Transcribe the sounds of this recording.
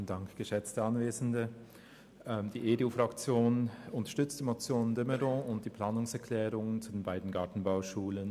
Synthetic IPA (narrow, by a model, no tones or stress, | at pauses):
əndaŋkɡ̥əʃɛt͡stəanveːzn̩də | ɛd̥iːʔeːdeuːfʁ̥akt͡sjoːnʊntɐʃtʏt͡std̥iːmot͡sjoːndɪməʁɔ̃ːʊnt̚d̥iːpl̥aːnʊŋsɛɐkʰl̥ɛːʁʊŋənt͡sudeːnbaɪdn̩ɡaɐtn̩baʊʃuːlən